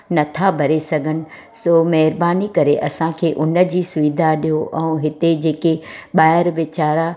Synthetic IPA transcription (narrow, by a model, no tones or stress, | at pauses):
nɐt̪ʰabʱɐɾesɐɡʱənɪ̆ | soːmɐɦɾbaːnikɐɾeʔɐsãkʰeːʔʊnə̆d͡ʑiːsʊʋɪd̪ʱaɗijoʔɛ̃ũɦɪt̪ed͡ʑeːkeɓaːɪɾʋɪt͡ɕaːɾa